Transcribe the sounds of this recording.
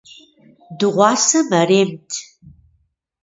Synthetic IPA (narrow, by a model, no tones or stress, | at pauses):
dɨʁʷɑːsɐmɐreːmtʰ